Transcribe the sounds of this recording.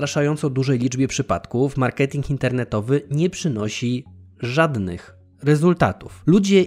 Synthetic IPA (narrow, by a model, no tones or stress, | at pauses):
ɾaʂajɔnt̪sɔd̪uʐɛjlʲid͡ʐbʲjɛpʂɘpa̰t̪kufmaɾkɛt̪ʲiŋkint̪ɛɾnɛt̪ɔvɘɲɛpʂɘnɔɕi | ʐad̪nɘ̰x | ɾɛzult̪a̰t̪uflud͡ʑɛ